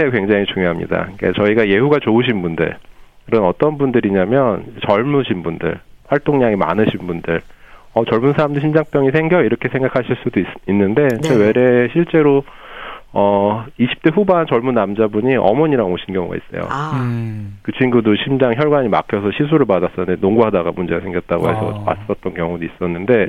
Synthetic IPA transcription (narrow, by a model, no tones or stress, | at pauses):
ekwe̞ŋd͡ʑaŋit͡ɕuŋjoɦamɲḭda̰ik͈a̰t͡ɕʌiɡaje̞huɡat͡ɕouɕ̬ʰinbundɯ̰ɭkɯɾɯnʌt͈ʌnbundɯɾiɲamjʌnt͡ɕʌɭmuɕʰinbundɯ̰ɭwaɭt͈oŋɲaŋima̰nɯɕʰinbundɯɭ | ʌt͡ɕʌɭmunsʰaɾamdɯɕʰimd͡ʑaŋp͈jʌŋisʰe̞ŋɡjʌiɾʌkʰe̞sʰe̞ŋɡakʰaɕʰiɭs͈udoiinːɯnde̞ewe̞ɾe̞ɕʰiɭt͡ɕ͈e̞ɾo | ʌiɕʰi̥p̚t͈e̞ɸubant͡ɕʌɭmunːamd͡ʑabuɲiʔʌ̰mʌɲiɾaɡoɕʰinɡjʌŋɡa̰ḭs͈ʌ̰jo̰ | kɯt͡ɕʰinɡudoɕʰimd͡ʑaŋçjʌɭɡwaɲima̰kʰjʌsʰʌɕʰis̬ʰuɾɯɭpadas͈ʌnːɯndenoŋɡuɦadaɡamund͡ʑe̞ɡasʰe̞ŋɡjʌt̚t͈aɡoɦe̞sʰʌ̰ma̰s͈ʌt̚t͈ʌnkjʌŋuduis͈ʌnːɯnde̞